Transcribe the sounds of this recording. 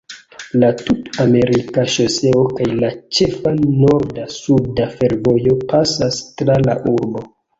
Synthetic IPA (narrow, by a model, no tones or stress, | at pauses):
latutame̞ɾikaʃose̞okajlat͡ʃe̞fano̞ɾdasudafe̞ɾvo̞jo̞pasastɾala̰ʔuɾbo̞